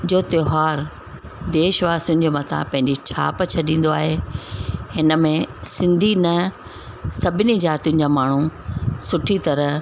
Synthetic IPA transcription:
d͡ʑoːt̪joːɦaːɾ | d̪eːʃʋaːsʊ̃ɲd͡ʑʱmɐt̪ʰa̰pɐ̃ɦɪ̃ɲd͡ʑit͡ɕʰa̰ːpt͡ɕʰɐɗĩːn̆d̪oaːɦe | hɪnə̆mẽsɪ̃nd̪ʱinɐ | sɐbʱɪnizaːt̪ijʊ̃n̆d͡ʑaːmaːɳ̤usʊʈʰit̪ɐɾə

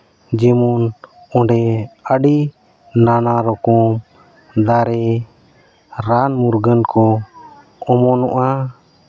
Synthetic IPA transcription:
d͡ʒɛmun | ɔɳɖɛəɖi | nanaɾɔkɔm | d̪aɾɛ | ɾanmuɾɡənkɔ | ɔmɔnɔʔa

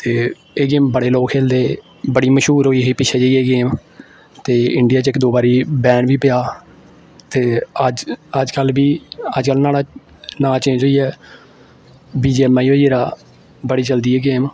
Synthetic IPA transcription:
t̪eː | eːɡeːmbəɽeːloːkʰeːld̪eː | bəɽiːməʃɦuːɾɦoːiːɦoiːpɪʃʰɛːd͡ʒeiːeːɡeːm | t̪eːɪɳɖɪjaːt͡ʃɪkd̪oːbaːɾiːbɛːɳʋiːpɪjaː | t̪eːəəd͡ʒkəlbiːəd͡ʒkəlnaːɽaː | naːt͡ʃẽːd͡ʒɦoːiːɛː | biːd͡ʒɛmːaːiːɦoːiːeːɾaː | bəɽiːt͡ʃəld̪iːɛːɡeːm

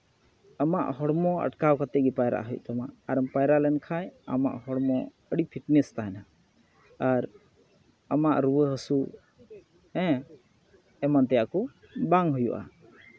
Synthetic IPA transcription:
əmaʔɦɔɽmɔə̰ʈkawkət̪ɛʔɡipajɾa̰ʔɦujṵʔt̪ɔma̰ʔaɾəmpajɾaʔlɛnkʰaja̰ma̰ʔɦɔɽmɔ̃ | əɽipʰiʈnɛst̪aɦɛna | aɾ | əmaʔɾuwəɦəsu | ɛ̃ | ɛmant̪ɛjaʔku | baŋɦujṵʔa̰

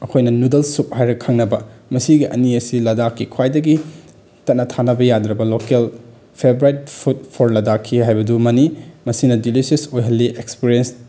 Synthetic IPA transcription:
ɐkʰojnɐnudɐlsup̚hajɾɐkʰːɐŋnɐbɐmɐsiɡiʔɐ̰niɐsilɐdakːikʰwajdɐɡi | tɐt̚nɐtʰanɐbɐjadɾɐbɐlokel | pʰebɾajt̚pʰut̚pʰoɾlɐdakʰːiɦajbɐdumɐnimɐsinɐdilisesojɦɐlːiʔekspiɾiens

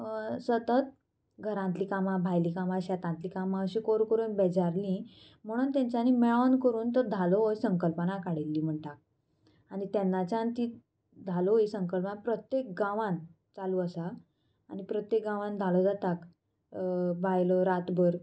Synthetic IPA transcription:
sət̪ət̪̚ | ɡʱəɾãnt̪liːkamãbʱajliːkamaɕɛt̪ãnt̪liːkamãəɕĩkoɾkəɾuːnbɛd͡zaɾlĩ | m̤əɽ̃uːnt̪jãɲt͡ɕanimɛɭankəɾuːnt̪əɾd̪ʱalooisəŋkəlpənakaɽelːiːm̤əɳʈak̚ | anit̪ɛnːat͡ɕãnt̪i | d̪ʱalɔisəŋkəlpənapɾət̪jek̚ɡãʋãn | t͡saluəsaː | nipɾət̪jek̚ɡãʋãnd̪ʱalɔd͡zat̪ak | bʱajlɔɾat̪bəɾ

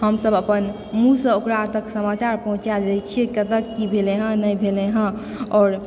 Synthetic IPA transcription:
həmsəbəpən | mũsə̃okɾat̪əksəmat͡ʃaɾpəɦũt͡ʃad͡ʒɛjt͡ʃʰikət̪əkːibʱeleɦə̃nəjbʱeleɦə̃ | ɔːɾ

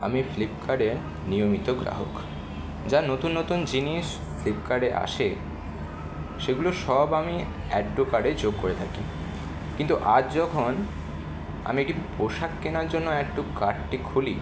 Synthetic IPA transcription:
a̰miflip̚kʰaɖeɾ | nijomit̪oɡɾa̰ɦo̰k | d͡ʑanot̪unːot̪und͡ʑiniʃ | flipkaɖeʔa̰ʃe | ʃeɡuloʃɔbami | ɛɡ̚ɖ̪okaɖet͡ɕoɡkoɾet̪ʰaki | kint̪uʔad͡ʑd͡ʑɔkʰon | a̰miek̚ʈipɾoʃakːenaɾd͡ʑonːoɛk̚ʈukaɖʈikʰuli

